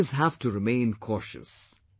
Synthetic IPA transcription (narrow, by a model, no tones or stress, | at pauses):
zɦæfʈuɾɪmẽɪ̃nkʰɔʃɨ̰s